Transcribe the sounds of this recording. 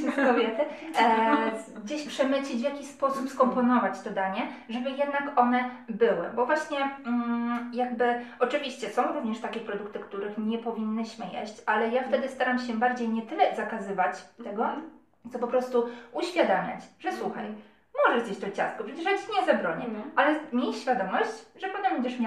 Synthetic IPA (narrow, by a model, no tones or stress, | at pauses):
kɔbʲjɛt̪ɘ | ɡd͡ʑeɕpʂɛmɘɕlʲid͡ʑvjakʲiɕspɔsupskɔmpɔnɔvat͡ɕt̪ɔd̪aɲɛʐɛbɘjɛd̪nakɔnɛbɘwɘ̰bɔvwaɕɲɛ | jaɡ̚bɘɔt͡ʂɘvʲiɕt͡ɕɛsɔ̃w̃ɾuvɲɛʂt̪akʲɛpɾɔd̪ukt̪ɘkt̪uɾɘxɲɛpɔvʲinːɘɕmɘjḛɕt͡ɕalɛjaft̪ɛd̪ɘst̪aɾamɕɛbaɾd͡ʑejɲɛt̪ɘlɛzakazɘvat͡ɕt̪ɛɡɔ | t̪sɔpɔpɾɔst̪uuɕfʲjad̪amʲa̰t͡ɕʐɛswuxa̰j | mɔʐɛʐzjeɕt͡ɕt̪ɔt͡ɕa̰st̪kɔpʂɛt͡ɕɛʂat͡ɕiɲɛzabɾɔɲɛalɛmʲjejɕfʲjad̪ɔmɔɕt͡ɕʐɛpɔt̪ɛmbɛɲd͡ʑɛʂmʲja